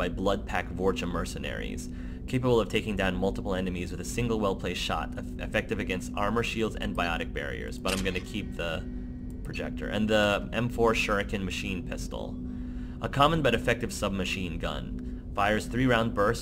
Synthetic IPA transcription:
aɪblʌd̚pʰækvɔɹt͡ʃəmɜ˞sɨnɛ̰ɹḭz̥ | kʰeɪpəbl̩ˠʌv̥tʰeɪkɪ̃ŋdãʊ̃nmʌlˠtəpl̩ˠɛ̃nɨmizwɨðɨsɪ̃ŋɡl̩ˠwɛlˠpʰl̥eɪʃɑ̰ɾ | ɨ̰fɛk̚tɨvɨɡɛ̃nstɑ̰ɹmə˞ʃilˠdzɨ̰̃nbaɪɑ̰ɾɨk̚b̥ɛ̰ɹḭə̰˞zbʌɾãɪ̃mɡʌnɨkʰip̚ðə | pʰɹ̥ɨd͡ʒɛ̰k̚tʰə̰˞ʔɨ̰̃nðiʔɛ̃ɱfɔɹʃɜ˞ɨkɨ̃nmɨʃĩnpʰɪstl̩ˠ | ʔəkʰɑmə̃nbʌɾɨfɛk̚tɨv̥sʌb̚mɨʃĩnɡʌ̰̃n | faɪə˞z̥θɹiɹãʊ̃n̚bɜ˞s

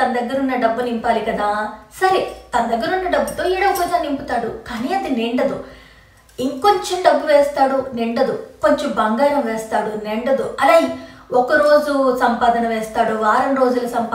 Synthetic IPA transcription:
t̪ɐnɐd̪ɐɡːɐɾunːɐɖɐbːunimpaːlikɐd̪aːsɐɾit̪ɐnɐd̪ɐɡːɐɾunːɐɖɐbːut̪o̞ːiːɽɐʋkɔːd͡ʒaːnːimpit̪aːɽukaːniɐd̪ineɳɖɐd̪u | iŋkoɲt͡ʃenɖɐbːuʋɛːst̪aːɽuneɳɖɐd̪uko̞ɲt͡ʃembɐŋɡaːɾɐmʋɛːst̪aːɽuneɳɖɐd̪uɐlaːjiɔkɐɾo̞ːd͡ʒusɐmpaːd̪ɐnɐʋɛːst̪aːɽuʋaːɾɐnɾo̞ːd͡ʒulɐsɐmp

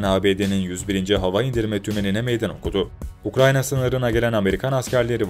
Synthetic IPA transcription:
naːbeːd̪e̞ninjyzbiɾind͡ʒɛɦavaind̪iɾmɛt̪ʰymeninemejd̪æno̞̰kʰud̪ʊukɾajnasɯnɯɾɯnaɟe̞lʲæname̞ɾikʰanascæɾlʲe̞ɾiv

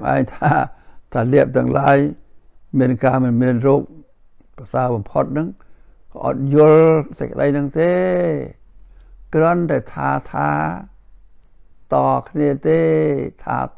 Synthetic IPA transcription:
mʔa̰ɛŋt̪ʰaːt̪ʰaːliəp̚t̪ʊ̆əŋlaːj | miənkaːmɨnmiənroːk̚ | prɑsaːəɓɑmpʰot̪̚nɨŋ | kɑːʔɑ̰t̪̚jʊəlsɛc̚kə̆ɗəjnɨŋt̪eː | krɔ̆ənt̪aɛt̪ʰa̰ːt̪ʰaː | t̪ɑːkʰniət̪eːt̪ʰa̰ː

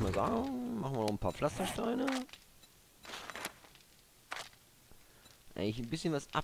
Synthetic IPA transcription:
maːza̰ːɡŋmaχn̩vɪnɔχn̩pʰaːflastɐʃtaɪnə | ʔa̰ɪŋlɪçn̩bɪsçənvasʔa̰

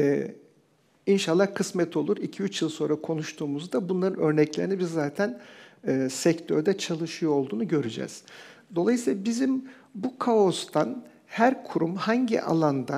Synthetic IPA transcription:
ɛ | inʃalˠːaɾkʰɯsmɛt̪ʰo̞lˠuɾicʰiyt͡ʃjɯlˠso̞nɾakʰo̞nuʃt̪ʰuːmuzd̪abunlˠaɾɯnø̞ɾnɛclʲeɾinibizːaːt̪ʰænː | sɛct̪ʰøɾd̪ɛt͡ʃʰalˠɯʃɯjo̞lˠd̪uːnuɟø̞ɾyd͡ʒɛ̰z̥d̪o̞lˠajɯsilˠabizim | bukʰaost̪ʰan | hæɾkʰuɾumhaɲɟḭʔa̰lˠand̪a

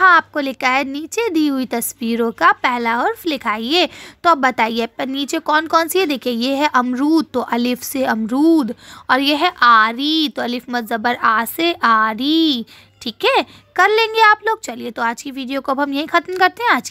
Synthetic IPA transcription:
ɦãaːp̚kolɪkaɦɛniːt͡ʃed̪iːɦʊit̪ɐswiːɾõkapɛɦlaʊɾfʰlɪkʰaːieːt̪oɐbbɐt̪aːiepniːt͡ʃekɔːnkɔːnsied̪eːkʰiejeɦɛʔɐmɾuːd̪̚t̪oʔɐlɪfseɐmɾuːd̪ɔːɾjeɦɛʔaːɾit̪oɐlɪfmɐt̪zɐbəɾaːseʔaːɾi | ʈʰiːkɦɛː | kɐɾlẽːŋɡeaːploːɡ̚t͡ʃɐliet̪oaːd͡ʒkiʋiːɖijokoɐbɦɐmjɐɦĩxɐt̪mkɐɾt̪eɦɛ̃aːd͡ʒki

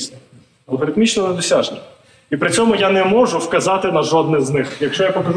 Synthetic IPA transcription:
ɐlˠɦɔɾɪt̪mʲit͡ʃnɔnɛd̪ɔsʲaʒnʲɛ | ipɾɪt͡sʲɔmʊjanɛmɔʒʊwkɐzɑt̪ɪnɐʒɔd̪nɪznɪxjɐkʃt͡ʃɔjapɔkɐʒ

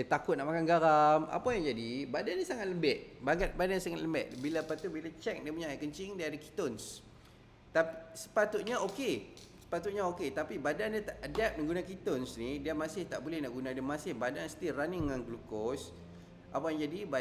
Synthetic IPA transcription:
dat̪akʊt̪̚naʔmakanɡaɾama̰pajaŋd͡ʒadibadannisaŋat̪̚ləmbɛʔbaŋat̪̚badanɲsaŋat̪ləmbɛʔbilapat̪ubilat͡ʃɛk̚dipuɲaaʔkəɲt͡ʃɪŋdiːdaki̥t̪ɔns | t̪aisə̥pat̪ʊt̪̚ɲaoke | sə̥pat̪ut̪̚ɲaoket̪apibadandiat̪aʔədɛp̚nəŋɡunakit̪ɔnsnidiamasɪht̪aʔbolɛhnaʔɡunadiamasɪhbadansə̥t̪iraniːanɡlukɔs | ʔapajaŋd͡ʒadiba

